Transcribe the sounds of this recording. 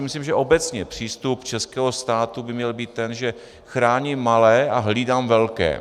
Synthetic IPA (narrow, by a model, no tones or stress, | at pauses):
mɪsliːmʒɛʔo̞bɛt͡sɲɛpr̝̥iːst̪upt͡ʃɛskɛːɦost̪aːt̪ubɪmɲɛlbiːt̪ːɛnʒɛ | xɾaːɲimːalɛːʔaɦliːdaːmvɛlkɛ̰ː